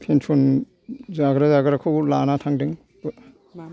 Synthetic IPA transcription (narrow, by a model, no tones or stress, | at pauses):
kʰensʰon | zaɡɾazaɡɾakʰɯlanatʰaŋdɯŋ | b